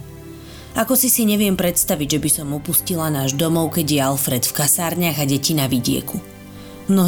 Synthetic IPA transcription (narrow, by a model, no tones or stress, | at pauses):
akɔsisiɲɛʋɪɛmpɾɛt̪st̪aʋiɟʒɛbisɔmupuscilanaːʒd̪ɔmɔʊkɛɟɪjɛalfɾɛt̪fkasaːɾɲɪaɣaɟɛcinaʋiɟɪɛ̰ku | mnɔɦ